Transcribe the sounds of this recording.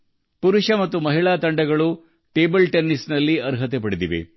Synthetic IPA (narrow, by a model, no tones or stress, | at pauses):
puɾuʂɐmɐt̪ːumɐɦiɭaːt̪ɐɳɖɐɡɐɭu | ʈe̞ːbɐlʈenːisnɐlːiɐɾɦɐt̪epɐɽid̪iʋḛ